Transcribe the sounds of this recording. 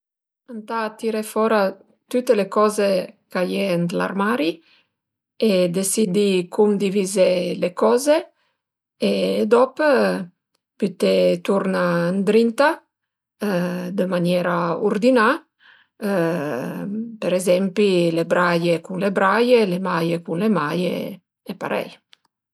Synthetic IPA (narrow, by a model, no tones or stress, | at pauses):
ant̪aːt̪ːiɾefɔɾa | t̪ut̪ːelekɔːzekajɛnd̪la̰rmaːɾi | ed̪esid̪ikʰumd̪ivizelekɔːzeː | d̪ɔpə | pyt̪et̪uɾnand̪ɾint̪a | d̪əmanjɛɾauɾd̪ina | peɾezɛmpilebɾajekunlebɾajelemajekunlemajḛ | epa̰ɾɛ̰j